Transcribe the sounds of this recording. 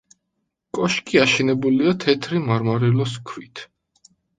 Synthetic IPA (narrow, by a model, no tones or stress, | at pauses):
kʼɔʃkʼiaʃɛnɛbuliat̪ʰɛt̪ʰɾimaɾmaɾɛlɔskʰwit̪ʰ